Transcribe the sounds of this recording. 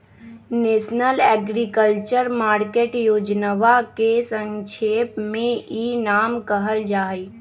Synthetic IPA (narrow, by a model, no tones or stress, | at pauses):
neːsnəlɛɡɾikəlt͡ʃəɾmaːɾkeːʈjoːd͡ʒnəʋakesə̃ŋʃʰeːpmẽinaːmkəɦəld͡ʒaːi